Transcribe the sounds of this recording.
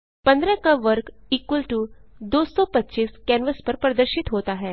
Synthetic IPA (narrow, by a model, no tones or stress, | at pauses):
pɐ̃nd̪ɾə̃kaʋɐɾkiːkwəlʈud̪oːsɔpɐtːʃiːskɛːnʋəspɐɾpɾɐd̪əɾʃɪt̪ɦoːt̪aɦɛː